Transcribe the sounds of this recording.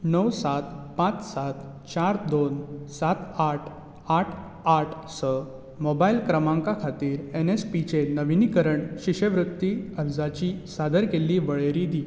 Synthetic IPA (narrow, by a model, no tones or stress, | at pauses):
nəwsat̪pãt͡ssat̪ | t͡ɕaɾd̪onsat̪aʈʰ | aʈʰ | aʈʰsə | mobailkɾəmãŋkakʰat̪iːɾenespit͡ɕenəʋinikəɾəɳɕiɕəʋɾut̪ːiəɾd͡zat͡ɕisad̪əɾkelːiːʋəɭeɾid̪i